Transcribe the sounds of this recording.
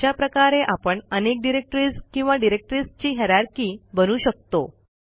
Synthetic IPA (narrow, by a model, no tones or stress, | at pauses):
apɾəkaɾeʔapəɳənek̚ɖiɾek̚ʈɾiskĩw̃ʋaɖiɾek̚ʈɾist͡ɕiːɦɛɾaɾkiːbənuːɕək̚t̪o